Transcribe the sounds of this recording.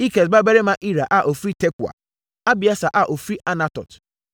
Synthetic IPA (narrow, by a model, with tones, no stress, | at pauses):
i˦ke˨s̬ba˦be˦ɾe˦ma˦ʔi˦ɾa˨ʔa˨ʔo˨fɾi˦te˦ku˨a̰˨ | a˦bɪ˨a˦sa˨ʔa˨ʔo˨fɾi˦ʔa˦na˦tɔ̰˨t